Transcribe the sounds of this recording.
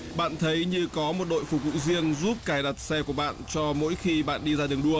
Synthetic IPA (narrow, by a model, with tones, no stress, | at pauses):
ɓa̰ː˧˨nt̪ʰə˨˦jɲɨ˧kɔ˨˦mo˨˩t̚ɗo̰˧˨jfu˨˧˩vṵ˧˨zi˧əŋzu˦˥p̚kaː˧˩jɗa˨˩t̚sɛ˧ku˧˩əɓa̰ː˧˨nt͡ɕɔ˧mo̰˧˥jxi˧ɓa̰ː˧˨nɗi˧zaː˧ɗɨ˨˩əŋɗu˧ə